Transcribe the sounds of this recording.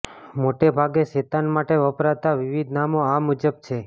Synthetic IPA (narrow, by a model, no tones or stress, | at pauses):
moʈebʱaɡeʃet̪anmaʈeʋəpɾat̪aʋɪʋid̪ʱnamoamud͡ʒəb̚t͡ʃʰe